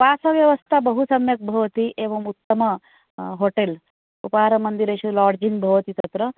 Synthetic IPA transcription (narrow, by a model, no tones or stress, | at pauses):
pasɐʋjɐʋɐst̪ʰabəɦusɐmjɐk̚bʱɐʋt̪iʔeʋɐmut̪ːəmɐ | ɦoʈel | upɦaɾɐmɐnd̪iɾeɕulɔːɾd͡ʑiŋɡbʱɐʋt̪it̪ɐt̪ɾə